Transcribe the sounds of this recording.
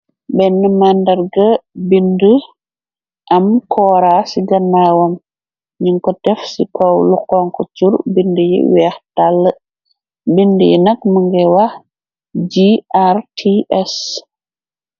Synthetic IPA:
bɛnːəmandɐɾɡəbində | ʔɐmkʰɔːɾasiɡɐnːawɔm | ɲiŋkɔtɛfsikɔwlukɔŋkɔt͡ʃuɾbindəjḭwɛxtalːə | bindəjḭnɐk̚məŋɡɛwah | d͡ʒiartʰiɛs

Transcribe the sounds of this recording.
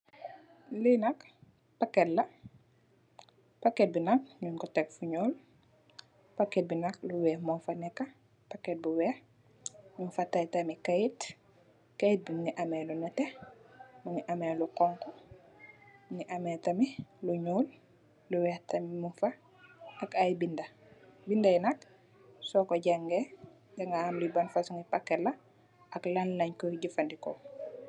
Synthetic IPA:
linɐk | pakːɛtlɐ | paket̚binak̚ɲuŋkɔtɛkfuɲoːl | pakɛt̚binak̚luwɛːhmɔfɐnɛkːɐ | paket̚buwɛːh | ɲufatajtamikɐjit | kajit̚biniʔamɛlunɐtɛ | muŋiʔamɛlukɔŋkɔ | muŋiʔamɛːtɐmiluɲuːl | luwɛtɐmimufa | ɐkajbindɐ | bindajinɐk̚ | sɔkɔɟaŋɡɛ | dɛŋɡaamlibanfasuŋipakːɛlɐ | ɐklanlɐɲkɔɟifandikɔ

